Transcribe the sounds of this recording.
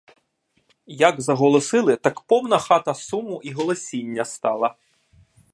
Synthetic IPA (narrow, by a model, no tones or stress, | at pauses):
jɐɡzɐɦɔlˠɔsɪlˠɪt̪ɐkpɔwnɐxɑt̪ɐsumʊʔiɦɔlˠɔsʲinʲːɐst̪ɑlˠɐ